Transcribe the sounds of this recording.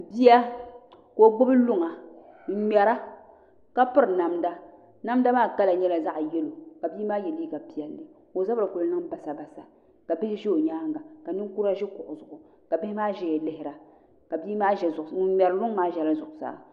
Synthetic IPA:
bi˦ja˦ | ko˦ɡ͡bʊ˦bɨ˦lʊ˦ŋa˨ | m̩˦mɛ˨ɾa˦ | ka˦pɨ˦ɾna˨mda˦ | na˦mda˦maː˦ka˦la˨ɲɛ˦la˨za˦ʔjɛ˦lo˨ka˨biː˦maː˦jɛ˨liː˦ɡa˨pi˨ɛ˨lːɨ˨ | ko˨za˦ba˨ko˨lnɨ˦ŋ˦ba˨sa˨ba˨sa˨ | ka˨bɪ˦hɪ˦ʒɛ˦o˨ɲaː˦ŋɡa˨ka˨nɨ˦ŋku˦ɾa˦ʒɛ˦kʊ˨ʔʊ˨zʊ˨ʔʊ˨ | ka˨bɪ˦hɪ˦maː˦ʒɛ˨jɛ˨lɪ˦hɪ˦ɾa˨ | ka˨bi˦maː˦ʒɛ˨˦mɛ˨ɾlʊ˦ŋ˦maː˦ʒɛ˨la˦zʊ˨ʔʊ˨sa̰ː˨˦

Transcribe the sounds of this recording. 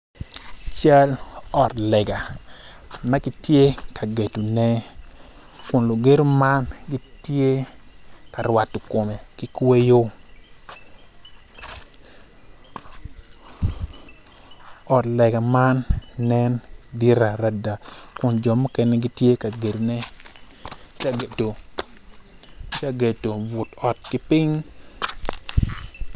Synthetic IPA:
t͡ʃa˦lɔ˨tlɛ˨ɡa˨ | ma˦kɪ˦tje˦ka˨ɡe˨tu˨nɛ˦ | kʊ˨nlo˨ɡe˦ɾo˦ma˦nɡi˦tje˦ | ka˨rwa˨tːo˨ko˨me˨ki˦kwe˦jo˦ | ɔ˨tlɛ˨ɡɛ˨ma˦nːɛ˦ndɪ˦ɾa˨ɾa˦da˨kʊ˨nd͡ʒɔ˨mo˦kɛ˦nɛ˦ɡɪ˦tje˦ka˨ɡe˨ɾnɛ˦ | ka˦ɡe˨to˨ | ka˨ɡe˨to˨bʊ˨tɔ˨t̚kɪ˦pɪ˦ŋ

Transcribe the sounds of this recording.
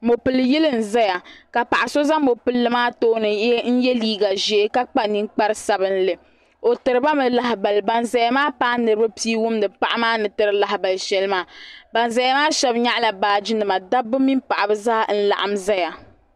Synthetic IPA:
mo˨pɨ˨lɨ˨ji˦lɨ˦n̩˨za˦ja˨ka˨pa˨ʔa˨so˦za˦mo˨pɨ˦lːɨ˨maː˦toː˦nɨ˨˦n̩˦jɛ˦liː˦ɡa˨ʒe˨˦ka˦k͡pa˦ni˦nk͡pa˦ɾɨ˦sa˦bɨ˦n˦lɨ˨ | o˨tɨ˨ɾɨ˦ba˦mɨ˨la˨ɦa˨ba˨lba˨nza˨ja˦maː˦paː˦nɨ˨ɾɨ˦ba˦piː˦wʊ˦mnɨ˨pa˦ʔa˦maː˦nɨ˨tɨ˦ɾɨ˦la˨hba˨lʃɛ˦lɨ˦maː˦ba˨nza˨ja˦maː˦ʃɛ˦bɲa˦ʔla˨baː˨d͡ʒi˦nɨ˨ma˨da˦bɨ˦mi˦mpa˨ʔa˨bɨ˦zaː˦n̩˦la̰˨ʔa˨mza˦ja˨

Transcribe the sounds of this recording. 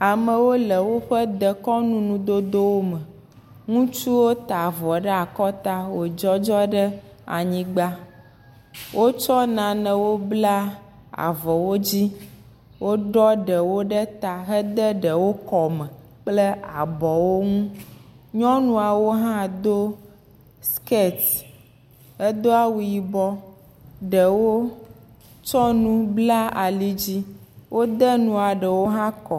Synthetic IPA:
a˨mə̃˨wo˦lə˨wo˦ɸə˦d̪ə˨kɔ˦nũ˦nũ˨d̪o˦d̪o˦wo˦mə̃˨ | ŋũ˦t͡ʃu˦wo˦t̪a˨vɔ˨ɖə˦a˨kɔ˦t̪a˦wo˨d͡ʒɔ˦d͡ʒɔ˦ɖə˦ | a̰˨ɲĩ˦ɡ͡ba˦ | wʔo˦t͡ʃɔ˦nã˨nə̃˨wo˦bla˦ | a̰˨vɔ˨wo˦d͡ʑi˦ | wo˦ɖɔ˦ɖə˨wo˦ɖə˦t̪a˨ɦə˦d̪ə˦ɖə˨wo˦kɔ˨mɛ̃˨ | k͡ple˦a˨bɔ˨wo˦ŋũ˦ | ɲɔ̃˦nũ˨a˨wo˦ɦã˦d̪o˦ | ske˦˨t̪ | hə˦d̪o˦a˦wu˨ji˨bɔ˦ | ɖə˨wo˦ | t͡ʃɔ˦nũ˦bla˦a˨li˦d͡ʑi˦wʔo˦d̪ɛ˦nũ˨a˨ɖə˨wo˦ɦã˦kɔ˨

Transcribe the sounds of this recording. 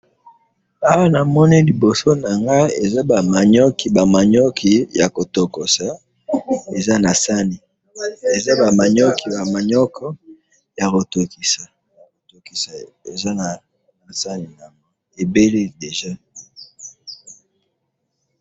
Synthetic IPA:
a˦wa˦na˨mɔ˦ni˦li˨bo˨so˦na˨ŋɡa˦e˨za˦ba˨ma˨ɲɔ˦ki˨ba˨ma˨ɲɔ˦kʰi˨ja˨ko˨to˨ko˨sa˨ | e˨za˦na˨sa˦ni˨ | e˨za˦ba˨ma˨ɲɔ˦ki˨ba˨ma˨ɲɔ˦kʰɔ˦ | ja˨ko˨to˨ki˨sa˨ | ko˨to˨ki˨sa˨ḛ˨za˦na˨ | na˨sa˦ni˨na˨mo˨ | e˨be˦le˦de˨ʒa˦

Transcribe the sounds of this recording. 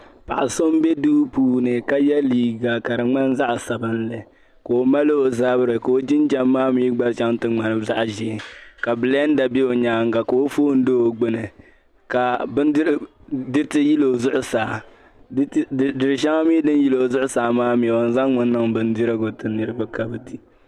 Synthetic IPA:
pa˨ʔa˨so˦m˦be˦duː˦puː˦nɨ˨ka˦jɛ˦liː˨ɡa˨ka˨dɨ˨ŋ͡ma˦n˦za˦ʔa˨sa˨bɨ˦n˦lɨ˨ | ko˨o˨ma˦lo˦o˨za˦bɨ˦ɾɨ˨ko˨o˦d͡ʒɪ˦n˦d͡ʒa˦mːaː˦miː˦ɡ͡ba˦ʃa˦ŋtɨ˦ŋ͡ma˨nɨ˦za˦ʔʒi˦˨ka˨bɨ˨la˦n˦da˨be˦o˨ɲaː˦ŋ˦ɡa˨ko˨o˦foː˦n̩˦do˦o˨ɡ͡bɨ˦nɨ˨ | ka˨bɨ˦n˦ | dɨ˦tɨ˦ji˦lo˨zʊ˦ʔʊ˦saː˨˦ | dɨ˨ɾɨ˨ʃa˦ŋa˦miː˦dɨ˦n˦ji˦lo˨zʊ˦ʔʊ˦saː˨maː˦mi˨a˨n˦za˦ŋŋʊ˦nː˦ɨ˦ŋbɨ˦n˦dɪ˦ɾɨ˦ɡʊ˨tɨ˨nɨ˨ɾɨ˦ba˦ka˨bɨ˨di˦

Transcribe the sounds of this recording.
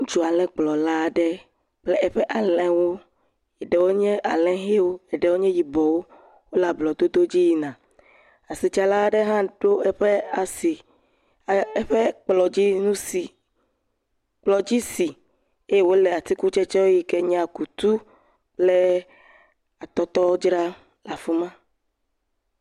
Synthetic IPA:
ŋũ˦t͡ʃu˨a˨lɛ̃˨k͡plɔ˨la˦˨ɖɛ˦ | k͡plɛ˦ʔɛ˨ɸɛ˦ʔa˨lɛ̃˨wo˦ | ɛ˨ɖɛ˨wo˦ɲɛ̃˦ʔa˨lɛ̃˦ɦe˦wo˦ɛ˨ɖɛ˨wo˦ɲɛ̃˦ji˨bɔ˨wo˦ | wo˦la˨blɔ˨d̪o˦d̪o˦d͡ʑi˦ji˦nã˨ | a˨si˨t͡ʃa˨la˦ɖɛ˦ɦã˦ɖo˦ɛ˦ɸe˦a˨si˨˦ | ɸe˦k͡plɔ˨d͡ʑi˦nũ˦si˨ | k͡plɔ˨d͡ʑi˦si˨ | e˦je˦wo˦lɛ˨a˨t̪i˦ku˦t͡ʃɛ˦t͡ʃɔ˦wo˦ji˦kɛ˦ɲɛ˦a˨ku˨t̪u˦ | k͡ple˦ | a˨t̪ɔ˦t̪ɔ˦wo˦d͡ʒɾa˦ | la˨fu˦mã˦

